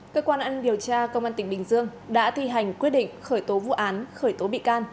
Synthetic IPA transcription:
kəː˧kwaː˧nʔaː˧ni˧mɗi˨˩əwt͡ɕaː˧kə˧wŋ͡mʔaː˧nt̪ï˩ŋ̟ɓï˨˩ŋ̟zɨ˧əŋɗa̰ː˧˥t̪ʰi˧ɦa˨˩jŋ̟kwi˦˥t̚ɗḭ˧˨ŋ̟xəː˧˩jt̪o˨˦vṵ˧˨ʔaː˨˦nxəː˧˩jt̪o˨˦ɓḭ˧˨kaː˧n

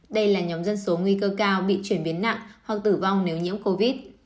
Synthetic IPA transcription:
ɗə˧jlaː˨˩ɲɔ˨˦ŋ͡mmzə˧nso˨˦ŋwi˧kəː˧kaː˧wɓḭ˧˨t͡ɕwi˧˩ənɓi˨˦ənːa̰˧˨ŋʔhwa˨˩k̚t̪ɨ˧˩va˧wŋ͡mne˨˦wɲḭ˧˥əmko˧vi˦˥t̚

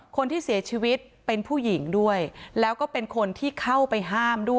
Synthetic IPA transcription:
kʰo˧nt̪ʰiː˥˩si˨˩˦ɐt͡ɕʰiː˧wi˦˥t̪̚pe˧npʰuː˥˩ji˩˦ŋdu˥˩əjlɛː˦˥wkɔː˥˩pe˧nkʰo˧nt̪ʰiː˥˩kʰa˥˩wpa˧jɦaː˥˩mdu˥˩

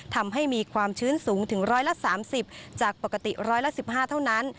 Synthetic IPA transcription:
t̪ʰa˧mɦa˥˩jmiː˧kʰwaː˧mt͡ɕʰɯː˦˥nsuː˩˦ŋt̪ʰɯ˩˦ŋɾɔː˦˥jla˧˥saː˩˦msi˨˩p̚t͡ɕaː˨˩k̚pa˨˩ka˧t̪i˨˩ɾɔː˦˥jla˦˥si˨˩p̚haː˥˩t̪ʰa˥˩wna˦˥n

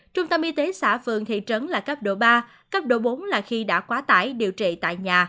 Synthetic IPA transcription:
t͡ɕʊ˧ŋ͡mt̪ə˧mʔi˧t̪e˨˦sa̰ː˧˥˩fɨ̰˨əŋt̪ʰḭ˧˨t͡ɕə˨˦nlaː˨˩kə˦˥p̚ɗo̰˧˩ɓaː˧ | kəː˦˥p̚ɗo̰˧˩ɓo˨˦nlaː˨˩xi˧ɗa̰ː˧˥kwaː˨˦t̪a̰ː˧˩jɗi˨˩əwt͡ɕḭ˧˨t̪a̰ː˧˨jɲaː˨˩

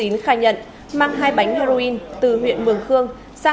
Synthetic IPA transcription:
i˨˦nxaː˧˩jɲə̰˧˨n | maː˧ŋɦaː˧jɓa˨˦jŋ̟hɛ˧zo˧i˧nt̪ɨ˨˩ɦwḭ˧˨ənmɨ˧˩əŋxɨ˧əŋ | saː˧

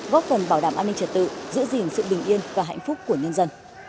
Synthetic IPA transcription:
ɣɔ˦˥t̚fə˨˩nɓaː˧˩wɗaː˧˩mʔaː˧nːï˧ŋt͡ɕə˨˩t̚t̪ɨ̰˧˨zɨ̰˧˥əzi˨˩nsɨ̰˧˨ɓi˨˩ŋ̟ʔi˧ənvaː˨˩ɦa̰˧˨jŋ̟fʊ˦˥k͡p̚ku˧˩əɲə˧nzə˧n

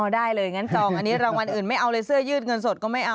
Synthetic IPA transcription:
ʔɔː˧˩daː˥˩jlɤː˧jŋa˦˥nt͡ɕɔː˧ŋʔa˧nːi˦˥ɾaː˧ŋwa˧nʔɯː˨˩nma˥˩jʔa˧wlɤː˧sɯ˥˩ɐjɯː˥˩t̪̚ŋɤ˧nso˨˩kɔː˥˩ma˥˩jʔa˧

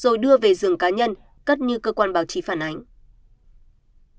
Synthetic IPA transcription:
z̥o˨˩jɗɨ˧əve˨˩zɨ˧˩əŋkaː˨˦ɲə˧n | kə˦˥t̚ɲɨ˧kəː˧kwaː˧nɓaː˧˩wt͡ɕi˨˦faː˧˩nʔa˨˦jŋ̟

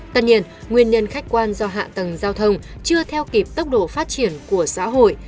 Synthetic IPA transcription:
t̪ə˧nɲi˧ən | ŋwi˧ənɲə˧nxa˦˥jk̟̚kwaː˧nzɔ˧ɦa̰ː˧˨t̪ə˨˩ŋzaː˧wt̪ʰə˧wŋ͡m | t͡ɕɨ˧ət̪ʰɛ˧wki˨˩p̚t̪ə˦˥k͡p̚ɗo̰˧˨faː˦˥t̚t͡ɕi˧˩ənku˧˩əsa̰ː˧˥ɦo̰˧˨j

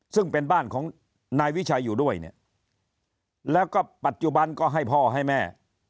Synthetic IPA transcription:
sɯ˥˩ŋpe˧nbaː˥˩nkʰɔː˩˦ŋ | naː˧jwi˦˥t͡ɕʰa˧jːuː˨˩du˥˩əjnḭ˥˩ɐ | lɛː˦˥wkɔː˥˩pa˨˩t̪̚t͡ɕu˨˩ba˧nkɔː˥˩ɦa˥˩jpʰɔː˥˩ɦa˥˩jmɛː˥˩

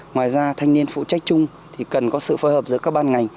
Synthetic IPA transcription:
ŋwaː˨˩jzaː˧t̪ʰa˧jŋni˧ənfṵ˧˨t͡ɕa˦˥jk̟̚t͡ɕʊ˧ŋ͡m | t̪ʰi˨˩kə˨˩nkɔ˨˦sɨ̰˧˨fəː˨˦jhə˨˩p̚zɨ̰˧˥əkːaː˦˥k̚ɓaː˧nŋa˨˩jŋ̟

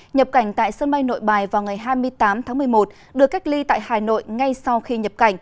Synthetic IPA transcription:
ɲə˨˩p̚ka˧˩jŋ̟t̪a̰ː˧˨jsə˧nɓa˧jŋno̰˧˨jɓaː˨˩jvaː˨˩wŋa˨˩jɦaː˧jmɨ˧əjt̪aː˨˦mt̪ʰaː˨˦ŋmɨ˨˩əjmo˨˩t̚ | ɗɨ˨˩əkːa˦˥jk̚li˧t̪a̰ː˧˨jhaː˨˩no̰˧˨jŋa˧jsa˧wxi˧ɲə˨˩p̚ka˧˩jŋ̟

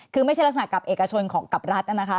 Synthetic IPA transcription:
kʰɯː˧ma˥˩jt͡ɕʰlksa˨na˨˩ka˨˩pʔeː˨˩ka˧t͡ɕʰo˧nkʰɔː˩˦ŋka˨˩p̚ɾa˦˥t̪̚ʔa˧˩na˦˥kʰa˦˥

